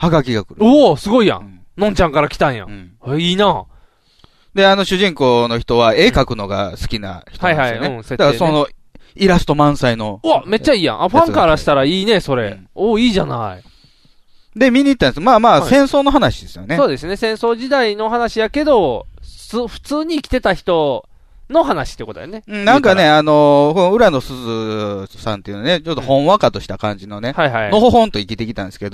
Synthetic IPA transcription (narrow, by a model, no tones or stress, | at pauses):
haɡakʲiɡakɯ̟ɾɯosɨɡo̞ijã̰ | nõ̞ɲ̟t͡ɕãŋkaɾakʲi̥t̪ãɰ̃jã̰eiːnaː | d̪e̞ano̞ɕɨʑĩŋko̞ːno̞çi̥t̪o̞βae̞kakɯ̟no̞ɡa̰sɨ̥kʲina̰çi̥oaihainẽssetd̪akasono̞ | iɾasɨ̥t̪o̞mãɰ̃saino̞ame̞t͡ɕːaiːjã̰ʔaɸãŋkaɾaɕi̥t̪aɾaiːne̞so̞ɾe̞̰oːiːʑana̰ḭ | d̪e̞mʲiɲ̟iːt̪ːãnesmaːmaːsẽ̞ɰ̃so̞ːno̞ɦanaɕid̪e̞sɨjonesoːd̪e̞sɨne̞sẽ̞so̞ːd͡ʑid̪aino̞ɦanaɕijake̞d̪o̞ | ɸɯ̟̥t͡sɨːɲ̟iːkʲi̥t̪e̞t̪açi̥t̪o̞ | no̞ɦanaɕi̥t̪eiko̞t̪d̪̰neɯ̃ːnãŋkane̞ano̞ɸõɯ̟ɾano̞sɨzɨsãnt̪eiɯ̟nanet͡ɕot̪ːohõ̞ɰ̃βakat̪o̞ɕi̥t̪akã̰ɲ̟d͡ʑino̞nehaihaino̞hoɦõ̞nt̪o̞ikʲit̪e̞kʲit̪ãnd̪eske̞d̪o